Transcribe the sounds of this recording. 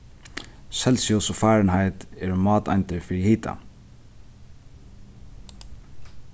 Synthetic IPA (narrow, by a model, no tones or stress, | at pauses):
sɛlsʏɔsʊfæːɹənhaɪt̪ɛːɹmɑːt̪ɑ̰nt̪əfɾiːhiːt̪ʰa̰